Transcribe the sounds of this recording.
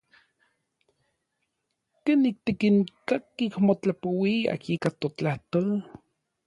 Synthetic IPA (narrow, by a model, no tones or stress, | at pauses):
kenik̚t̪ikiŋkakːikmot͡ɬapowia̰kikat̪ot͡ɬaht̪ol